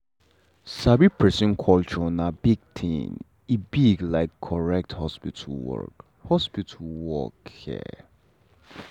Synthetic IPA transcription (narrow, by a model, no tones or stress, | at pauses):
sabipʰɹɛsə̃nkʰɔlt͡ʃɔnabiɡ̚t̪ʰḭ̃n | ibiɡlaɪkʰːɔɹɛk̚thɔspitʰulwɔ̰k | hɔspitʰulwɔ̰khɛ̰